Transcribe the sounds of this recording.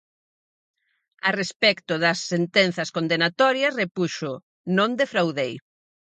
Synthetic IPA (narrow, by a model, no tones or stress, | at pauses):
arespɛkt̪ʊðɐsːent̪ɛnθɐskond̪enat̪ɔɾjɐsrepuʃʊ | nõnd̪efɾawðej